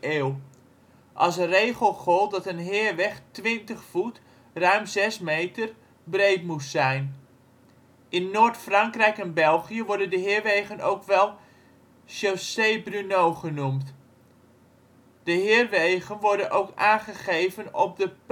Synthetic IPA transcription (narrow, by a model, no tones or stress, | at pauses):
eːw | ʔɑ̰lˠsərejχəlˠχɔlˠt̚dɑtənɦɪːrʋɛχtʋɪntəχfut | rœɥmzɛsmejtər | brejtmutsɛjn | ʔɪnːoːɹtfrɑŋkrɛjkɛnbɛlˠχijəʋɔɹdəndəɦɪːrʋejɣəno̰wkʋɛlˠ | ʃosejbrynowχənumt | d̥əɦɪːrʋejɣənʋɔɹdənʔowkaːnχəχejvənɔp̚dəp